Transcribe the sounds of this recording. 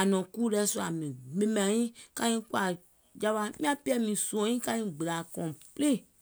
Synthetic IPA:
a˨nɔ̃˨kuː˦lɛ˧˦su˧a˨mĩ˨mẽ˧mã˨ĩ˦kã˧ĩ˦kwa˨ | d͡ʒa˧ɓa˧˦mĩ˦ã˦pi˦ɛ˦mĩ˨sũ˦ɔ̃˧˦ĩ˦ka˧ɲĩ˦ɡ͡bə˨la˨kɔ̃˨ple˦˨

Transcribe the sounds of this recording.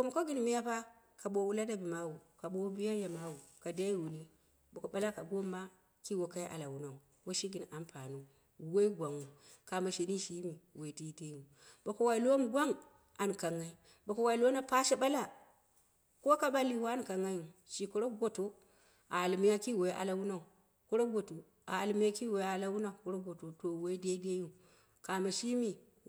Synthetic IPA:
ko˦m˨ko˦ɡi˦n˨mi˦ja˦pa˦ | ka˨ɓo˨wu˦la˦da˦bi˨ma˦wu˨ka˨ɓo˨˦bi˦ja˦ja˨ma˨wu˨ka˨da˦i˦wu˨ni˦ | bo˨ko˨ɓa˦la˦ka˨ɡo˦mːa˦ | ki˦wo˨ka˦jʔa̰˨la˨wu˨na˨u˨ | wo˦ʃi˦ɡi˨n˨a˨mpa˨nu˦˨ | we˦i˦ɡʷa˨ŋu˨ | ka˨ma˨ʃe˨ni˦ʃi˦mi˨we˨ti˦de˦ju˨ | bo˨ko˨wa˨i˨lo˦m˦ɡʷa˦ŋ | a˨nka˨ŋːa˨i˦ | ba˨ko˨wa˨i˨lo˦na˦pa˦ʃe˦ɓa˦la˦ | ko˦ka˦ɓa˦li˨wa˦n˨ka˨ŋa˦ju˨ʃi˨ku˦ɾo˦ɡʷo˦to˦ | ʔa˨a˨lmi˦ja˦ki˦we˨˦ʔa̰˨la˦wu˦na˦˨u˨ | ku˦ɾo˦ɡʷo˨tu˨ | a̰˨a˨lmi˦ja˦ki˦we˨˦a˦la˦wu˦na˨u˨ku˦ɾo˦ɡo˨to˨to˨we˦i˦de˦de˦ju˦ | ka˨ma˨ʃi˦mi˨

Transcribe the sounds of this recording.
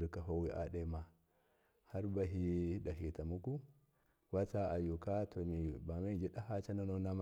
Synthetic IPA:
ɾi˨ka˨ɦo˦wi˦ʔa̰˨ɗe˦ma˨ | ha˦ɾba˦ɦi˦da˨ɦi˨ta˨mu˦ku˦ | wa˦t͡sa˦a˨ju˨ka˦to˨mi˨ba˨ma˦˨d͡ʒi˦ɗa˦ha˦t͡ʃa˦na˦no˦na˦m˦

